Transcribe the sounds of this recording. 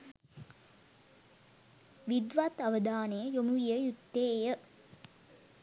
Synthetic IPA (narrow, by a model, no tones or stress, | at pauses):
ʋid̪ʋat̪ɐʋəd̪aːnejəjomuijəjut̪ːeːjə